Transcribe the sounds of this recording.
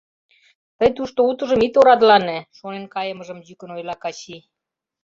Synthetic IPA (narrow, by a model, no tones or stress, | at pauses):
t̪əjt̪uʃt̪out̪ɤ̆ʒɤ̆mit̪oɾɑd̪lɑneʃonenkɑjə̆mə̆ʒə̆mʑykə̆nojlɑkɑɕi